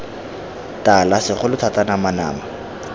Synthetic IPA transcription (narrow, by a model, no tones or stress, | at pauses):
talasɪχʊlʊtʰatanamana̰ːma